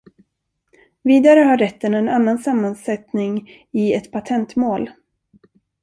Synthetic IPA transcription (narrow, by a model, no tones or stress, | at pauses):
viːd̪aɾəɦaɾɛt̪ːənɛnanːansamːansɛt̪nɪŋ | ɪɛt̪pʰat̪ʰɛnt̪moːl